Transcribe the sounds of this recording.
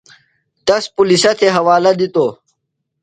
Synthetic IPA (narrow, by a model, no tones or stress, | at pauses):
t̪ɐspulisɐt̪ʰeɦɐwaːlɐd̪it̪oː